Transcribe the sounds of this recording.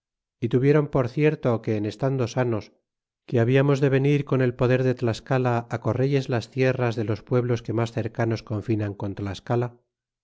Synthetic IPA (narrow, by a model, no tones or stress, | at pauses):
it̪uβje̞ɾo̞mpo̞ɾθje̞ɾt̪o̞ke̞ːne̞st̪and̪o̞sano̞s | keaβiamo̞zðe̞β̞e̞niɾko̞ne̞lpo̞ðe̞ɾðet̪laskalaːko̞reʝe̞zlast̪je̞razðelo̞spwe̞βlo̞ske̞masθe̞ɾkano̞sko̞ɱfinaŋko̞nt̪laskala